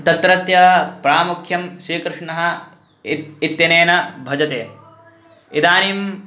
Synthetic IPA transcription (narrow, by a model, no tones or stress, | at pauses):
t̪ɐt̪ɾɐt̪jɐpɾaːmukʰjɐmʃɾiːkɾɨʂɳɐɦɐ | it̪jɐneːnɐbʱɐd͡ʒɐt̪eːm | id̪aːnim